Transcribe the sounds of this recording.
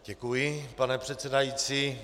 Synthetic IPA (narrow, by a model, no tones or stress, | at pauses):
ɟ̥ɛkujɪpanɛpr̝̥ɛt̪t͡sɛdajit͡siː